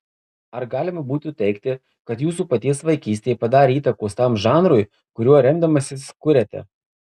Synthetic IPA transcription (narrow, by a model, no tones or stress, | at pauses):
ɐɾɡɑːlʲɪmɐbuːt̪ut̪ʲɛɪkt̪ʲɪ | kɐt̪juːsuːpɐt̪ʲiɛsʋɐɪkʲiːsʲt̪ʲejpɐd̪ɑːɾʲeiːt̪ɐkoːst̪ɑmʒɑːnɾʊj | kʊɾʲuɔɾʲɛmd̪ɐmɐsʲɪskʊɾʲɛt̪ʲɛ̰